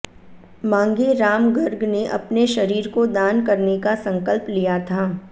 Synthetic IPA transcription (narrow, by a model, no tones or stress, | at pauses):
mãːŋɡeɾaːmɡɐɾɡneʔɐ̰pneʃɐɾiːɾkod̪aːnkɐɾnekasɐ̃ŋkəlplijat̪ʰaː